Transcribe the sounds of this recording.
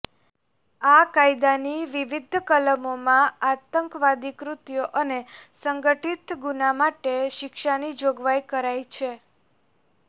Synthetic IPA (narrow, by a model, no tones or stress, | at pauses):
akajd̪aniʋiʋid̪ʱkələmomãat̪əŋkʋad̪ikɾut̪joʔənesəŋɡəʈit̪ɡunamaʈeʃɪkʃanid͡ʒoɡʋajkəɾajt͡ʃʰe